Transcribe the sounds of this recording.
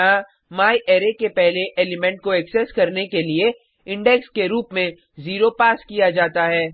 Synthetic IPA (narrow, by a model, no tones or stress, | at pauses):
ã | maːiʔeːɾekepɛɦleʔeːlɪmɛ̃ɳʈ̚koɛksɛskɐɾnekelie | ɪ̃ɳɖɛkskeɾuːpmẽ | ziːɾopaːskijad͡ʒaːt̪aɦɛː